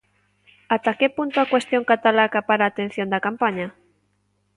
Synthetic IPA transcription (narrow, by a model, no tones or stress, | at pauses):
at̪akepunt̪oakwest̪joŋkat̪alakapaɾaːt̪en̟θjond̪akampaɲa